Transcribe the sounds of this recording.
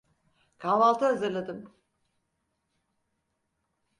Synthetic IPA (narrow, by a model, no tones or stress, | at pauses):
kʰavalˠt̪ʰɯɦazɯɾlˠad̪ɯm